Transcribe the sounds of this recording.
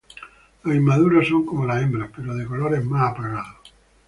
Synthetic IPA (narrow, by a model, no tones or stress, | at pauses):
aimːaðuːɾasoŋkomelaembɾapeɾɔd̪ekoloːɾɛmːaapɾaɣaːðo